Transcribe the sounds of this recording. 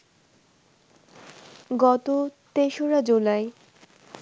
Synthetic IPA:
ɡɔt̪ot̪eʃoɾad͡ʑulae

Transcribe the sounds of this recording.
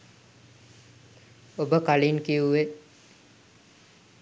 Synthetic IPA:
obəkalinkiuʋe

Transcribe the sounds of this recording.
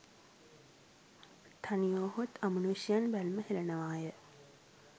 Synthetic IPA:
t̪ʰanijoːɦot̪ʰɐmɐnuʃijanbælməɦelɐnɐʋaːjə

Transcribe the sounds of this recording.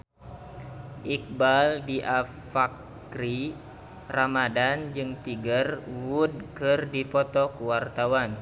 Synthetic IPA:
ʔik̚baldiʔa | fak | ɾi | ramadand͡ʒɨŋt̪iɡərwud̚kɨrdipɔt̪ɔkuwart̪awan

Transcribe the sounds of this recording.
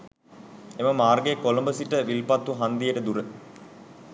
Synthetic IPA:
eməmaːrɡekolombəsiʈəʋilpɐt̪ːuɦand̪ijəʈəd̪uɾə

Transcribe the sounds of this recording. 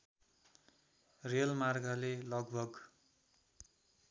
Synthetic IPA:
relmarɡalelʌɡbʱʌɡ

